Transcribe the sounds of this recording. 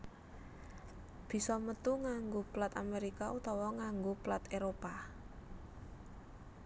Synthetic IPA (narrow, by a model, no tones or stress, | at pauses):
b̥i̤sɔmət̪uŋaŋɡoplat̪ameɾikaut̪ɔwɔŋaŋɡoplat̪eɾopa